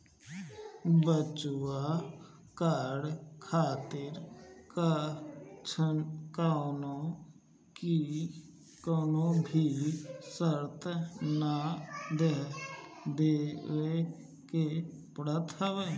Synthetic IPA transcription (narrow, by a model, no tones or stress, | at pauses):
bət͡ʃuwa | kaːɽkʰaːt̪ɪɾk | t͡ʃʰəkaːnõ | ki | konõːbʱiːsəɾt̪nad̪eɦ | d̪eːʋe | ke | pɾət̪ʰəʋe